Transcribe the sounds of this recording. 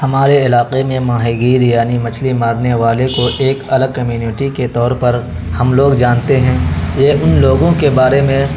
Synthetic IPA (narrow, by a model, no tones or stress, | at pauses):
hɐmaːɾeɪlaːqemẽmaːɦiɡiːɾijaːnimɐt͡ʃʰlimaːɾneʋaːlekoʔeːkɐləɡ̚kɐmjuːnɪʈiket̪ɔːɾpɐɾ | hɐmloːɡd͡ʒaːnt̪eɦɛ̃jeːʔʊnloːɡõkebaːɾemẽ